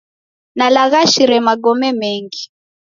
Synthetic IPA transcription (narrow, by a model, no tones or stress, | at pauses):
nalaɣaʃiɾɛmaɡɔmɛmɛŋɡi